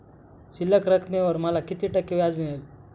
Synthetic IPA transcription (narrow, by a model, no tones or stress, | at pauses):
siləkɾəkʰmẽʋəɾməlakit̪iʈəkːiʋjad͡zmiɭel